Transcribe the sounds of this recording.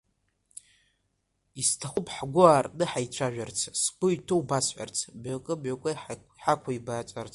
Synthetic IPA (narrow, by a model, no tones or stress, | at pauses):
istʰaχʷʊpʰʼħɡʷʊaːrnɨħajt͡ʃʷʰaʒᶣart͡sʰskʷʼʊitʰowbasħʷa̰rt͡sʰbʕakʼɨbʕakʷʼɨ | ħakʷʰaibaːt͡sʷʼart͡sʰʼ